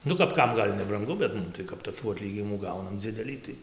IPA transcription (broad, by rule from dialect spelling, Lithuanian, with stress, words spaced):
ˈnʊ kɐp ˈkɐm ˈɡɐlʲ nʲɛbrɐŋˈɡʊ bʲɛt ˈmʊm tɐɪ kɐp toːˈkʲuː ɐˈtʲlʲiːɡʲɪnʲɪmuː ˈɡɐʊnɐm ˈd͡zʲɪdʲɛlʲiː tɐɪ